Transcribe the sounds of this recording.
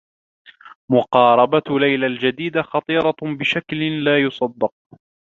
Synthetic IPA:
mʊqɑːɾˤɑbalajlald͡ʒad̪iːd̪axɑt̪ˤiːɾˤɑbɪʃaklɪnlaːjʊsˤɑd̪ːɑq̚

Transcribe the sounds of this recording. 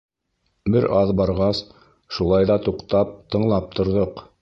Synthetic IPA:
bɘɾʔɑðbɑɾʁɑs | ʃulˠɑjðɑt̪uqt̪ɑp̚t̪ɤ̆ɴlˠɑp̚t̪ŏɾðɤq

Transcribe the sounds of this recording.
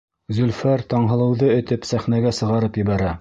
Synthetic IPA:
zɵ̆lfæɾt̪ɑɴɦɤ̆lˠɤ̆wðɤɵ̆t̪ɘpsæχnæɡæsɤ̆ʁɑɾɤpjɘ̆βæɾæ

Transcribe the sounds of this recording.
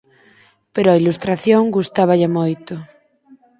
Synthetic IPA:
peɾoailust̪ɾaθjõŋɡust̪aβ̞aʎamojt̪o

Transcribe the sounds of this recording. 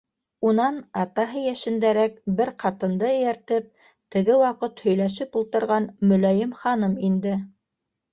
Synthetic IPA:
unɑnɑt̪ɑɦɤjæʃɘ̆nd̪æɾækbɘɾqʰɑt̪ɤ̆nd̪ɤɘ̆jæɾt̪ɘp̚ | t̪ɘ̆ɡɘwɑqɤt̪hɵ̆jlæʃ̬ɘpulˠt̪ɤ̆ɾʁɑnmɵ̆læjɘmχɑnɤmind̪ɘ

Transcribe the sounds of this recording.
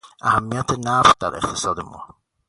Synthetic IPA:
ʔæhæmːijæt̪ʰenæfd̪æɾʔḛqt̪ʰe̥sɒːd̪emːɒ̰ː

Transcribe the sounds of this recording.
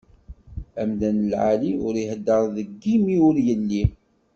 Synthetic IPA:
æmðænəlʕaliʊɾihd̪ːəɾˤðəɡːimiʊɾjəlːi

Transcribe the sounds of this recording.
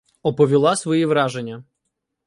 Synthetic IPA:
ɔpɔʋʲilˠɑsʋɔjiʋɾɑʒenʲːɐ

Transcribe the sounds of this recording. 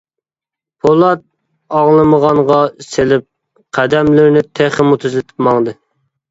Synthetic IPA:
pʰolˠɑt̪̚ | ɑŋlˠɨməʁɑɴʁɑselɪp̚ | qʰæd̪ɛmlɪɾnɪt̪ʰeχɪmut̪ʰyzlɪt̪ʰɪ̥pmɑŋd̪ɨ

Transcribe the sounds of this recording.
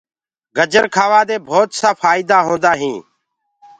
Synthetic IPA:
ɡəd͡ʒəɾkʰaːʋaːd̪eːbʱoːt̪saːfaːiːd̪aːɦõːnd̪aːɦĩː

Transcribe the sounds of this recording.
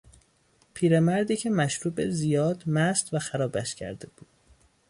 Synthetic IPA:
pʰiːɾemæɾd̪iːcʰe̞mæʃɾuːbezijɒːd̪mæst̪væxæɾɒːbæʃcʰæ̰ɾd̪e̞b̥uːd̪̥

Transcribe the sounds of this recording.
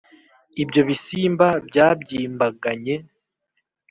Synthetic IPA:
ibɟo̞βisiːmbabɟaːbɟiːmbaɡaɲe̞

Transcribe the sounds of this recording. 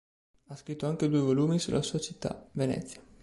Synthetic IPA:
askɾit̪ːoaŋkəd̪ojvolumisṵlʔa̰sat͡ʃit̪a̰venḛt̪siḁ

